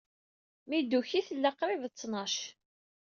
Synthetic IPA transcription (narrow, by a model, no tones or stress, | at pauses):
mid̪uçiθlːaqɾˤɪvt͡sːnɑʃ